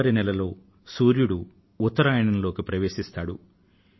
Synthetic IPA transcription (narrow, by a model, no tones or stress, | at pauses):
ɐɾinɛlɐlo̞ː | suːɾjuɽu | ut̪ːɐɾaːjɐɳɐmlo̞ːkipɾɐʋe̞ːʃist̪aːɽu